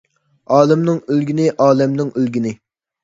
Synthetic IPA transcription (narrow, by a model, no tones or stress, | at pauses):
ɑːlˠɪmnɪŋølɡʲinɪʔɑːlɛmnɪŋʔølɡʲinɪ